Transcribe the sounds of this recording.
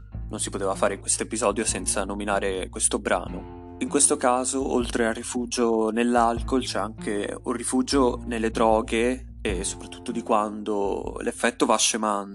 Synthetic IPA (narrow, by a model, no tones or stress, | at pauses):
nʔonsipot̪eːvafaːɾekwest̪oepizɔːd̪josɛnt̪sanominaːɾekwest̪obɾa̰ːno | iŋkwest̪okaːzoolt̪ɾearːifud͡ʒonelːalkolt͡ʃɛaŋkeurːifud͡ʒonelːed̪ɾɔːɡe | esːo̥pɾat̪ːu̥t̪ːod̪ikwand̪olʔefːɛt̪ːovaʃːeman